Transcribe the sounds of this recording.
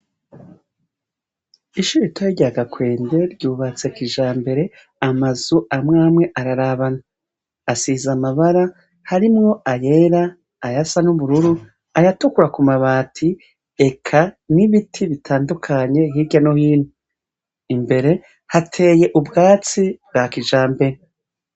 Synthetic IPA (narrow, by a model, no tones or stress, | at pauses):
iʃuɾitʰojiɟaːɡakwe̞ːnde̞ɾɟuːβat͡se̞kiʒaːmbe̞ɾe̞ | amazuamŋaːmŋe̞ʔaɾaɾaβanaː | sizamaβaɾa | haɾimŋo̞aje̞ɾaː | jasanuβuɾuɾu | ajatukuɾakumaβaːtʰi | e̞kʰaniβitʰiβitʰaːndukʰaɲe̞hiɾɟanohiːnu | imbe̞ɾe̞ | hatʰe̞ːje̞ʔubɡaːt͡sibɡakiʒaːmbe̞ɾe